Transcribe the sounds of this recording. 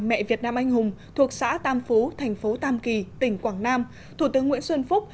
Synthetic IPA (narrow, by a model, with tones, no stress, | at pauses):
mɛ̰˧˨vi˨˩ət̚naː˧mʔa˧jŋ̟hʊ˨˩ŋ͡mt̪ʰu˨˩ək̚sa̰ː˧˥t̪aː˧˩mfo˨˦t̪ʰɛ˨˩jŋ̟fo˨˦t̪aː˧˩mki˨˩t̪ï˧˩ŋ̟kwaː˧˩ŋnaː˧m | t̪ʰu˧˩t̪ɨ˨˦əŋːw̰i˧˥ənswə˧nfʊ˦˥k͡p̚